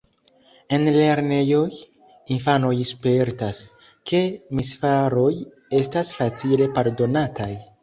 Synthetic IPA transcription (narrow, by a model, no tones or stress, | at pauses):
e̞nle̞ɾne̞jo̞j | infano̞jspe̞ɾtas | kʰe̞misfaɾo̞j | e̞stasfat͡sile̞paɾdo̞nataj